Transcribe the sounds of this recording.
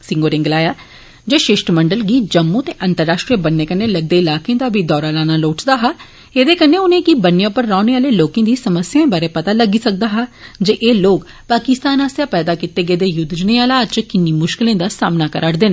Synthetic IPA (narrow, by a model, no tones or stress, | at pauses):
sɪ̃ŋɡoːɾɪ̃ŋɡlaːjaː | d͡ʒeːʃɪʃʈəməɳɖəlɡiːd͡ʒəmːut̪eːʔənt̪əɾːaːʃʈɾijəbənːeːkənːeːləɡ̚d̪eːɪlaːkẽːd̪aːbʱiːd̪ɔːɾaːlaːnaloːʈd̪aːɦaː | eːd̪eːkənːeːʊnẽːkibənːjãːpəɾːaːneːaːleːloːkẽːd̪iːsəməsjãẽːbaːɾeːpət̪aːləɡiːsək̚d̪aːɦaːd͡ʒeːʔeːloːk | paːkɪst̪aːnaːsjaːpɛːd̪aːkɪt̪ːeːɡeːd̪eːjʊd̪d͡ʒneːaːlaːt͡ʃkɪnːiːmʊʃkɪlẽːd̪aːsaːmnaːkəɾʔaːɽd̪eːnː